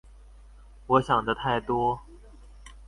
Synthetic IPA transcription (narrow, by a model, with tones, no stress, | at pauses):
wɔ˧˦˥ɕjɑ˨˩ŋd̪ə˦t̪ʰa˥˩ɪt̪wɔ˥